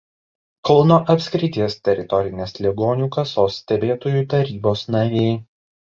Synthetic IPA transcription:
kɔlˠnoːʔɐpʲsʲkɾʲɪt̪ʲiɛst̪ʲɛɾʲɪt̪ɔɾʲɪnʲeːslʲɛɡoːnʲuːkɐsoːsːʲt̪ʲɛbʲeːt̪oːjuːˑt̪ɐɾʲiːboːsnɐɾʲeɪ

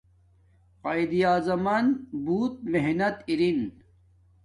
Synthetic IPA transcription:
qajd̪ijaːzɐmanbuːt̪̚meɦnɐt̪iɾin

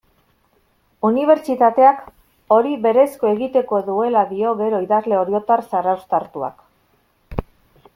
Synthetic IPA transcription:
uniβ̞e̞ɾt͡ʃit̪at̪e̞ak | o̞ɾiβe̞ɾe̞sko̞e̞ɣit̪e̞ko̞ðue̞laðio̞ɣe̞ɾo̞iðazle̞o̞ɾjo̞t̪aɾsarawst̪aɾt̪ua̰k

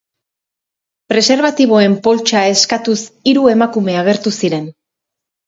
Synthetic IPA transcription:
pɾe̞se̞ɾβat̪iβ̞o̞e̞mpo̞lt͡ʃae̞skat̪usiɾue̞makume̞aɣ̞e̞ɾt̪usiɾe̞n

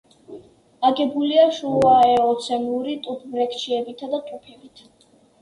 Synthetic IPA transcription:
aɡɛbuliaʃuaɛɔt̪sʰɛmluɾit̪ʼupʰmɾɛkʰt͡ʃʰiɛbit̪ʰad̪at̪ʼupʰɛbit̪ʰa

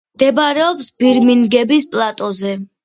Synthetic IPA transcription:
md̪̥ɛbɾɛɔpsbiɾminɡɛbispʼlˠat̪ʼɔzɛ

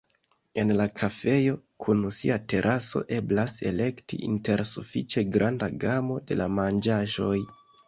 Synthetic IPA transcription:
e̞nlakʰafe̞jo̞ | kʰunusiate̞ɾʔaso̞̰ʔe̞blase̞̰le̞ktḭʔḭnte̞ɾsufit͡ʃe̞ɡɾʔandaɡamo̞de̞̰lamand͡ʒaʒo̞j

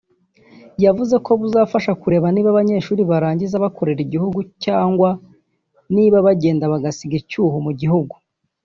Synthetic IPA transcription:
javuze̞ko̞βuzaːfaʃakuɾe̞ːβaniːβaβaɲe̞ːʃuːɾiβaɾaːɲɟizaβako̞ɾeɾiɟihuɡucaːŋɡwa | niːβaβaɟe̞ːndaβaɡasiɡicuːhumuɟihuɡu

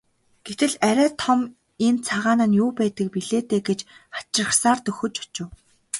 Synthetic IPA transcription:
ɡ̥et̪ɘ̆ɮæɾʲæːt̪ʰɔm | ent͡sʰaʁaːnănjuːpæːt̪ə̆k̚piɮeːt̪eːɡet͡ɕχḁt͡ɕrə̆χsaːrt̪ɵxɵ̆t͡ɕɔt͡ɕɪ̆w

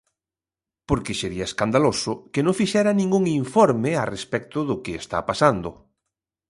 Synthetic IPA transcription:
poɾkɪseɾiɐeskand̪alosʊkɪnõŋfiʃɛɾɐnĩŋɡuŋiɱfɔɾmɪarespɛk̚t̪ʊðʊkɪest̪a̰pasand̪ʊ

